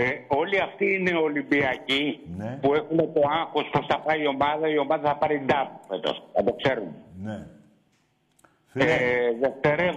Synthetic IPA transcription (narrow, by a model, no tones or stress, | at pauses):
eo̞liɐft̪iine̞o̞limbiɐcipue̞xune̞t̪o̞ɐŋxosposθɐpɐio̞mɐðɐio̞mɐðɐθɐpɐɾind̪ɐtufet̪o̰sθɐd̪o̞kse̞ɾumen | eðeft̪eɾe